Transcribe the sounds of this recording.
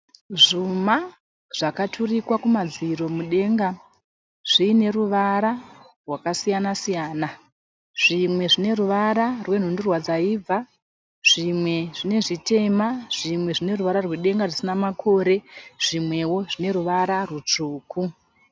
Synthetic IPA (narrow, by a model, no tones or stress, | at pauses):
ʐuma | ʐ̥akatʰurikwakumad͡ziɾo̞muɗe̞ŋɡa | ʐ̥iːne̞ruʋaɾa | rwakasijanasijaːna | ʐ̥imwe̞ʐine̞ruʋaɾarwe̞n̤undurwad͡zaia | ʐ̥imwe̞ʐine̞ʐite̞maʐ̥imwe̞ʐine̞ruʋaɾarweɗe̞ŋɡarisinamakʰo̞ːɾe̞ʐ̥imwe̞wo̞ʐine̞ɾuʋaɾarut͡ʂuːku